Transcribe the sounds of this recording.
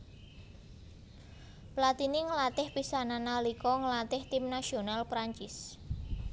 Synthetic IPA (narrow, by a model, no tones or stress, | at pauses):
plat̪iniŋəlat̪ɪhpisananalikɔŋəlat̪ɪht̪ɪmnasionalpɾaɲt͡ʃɪs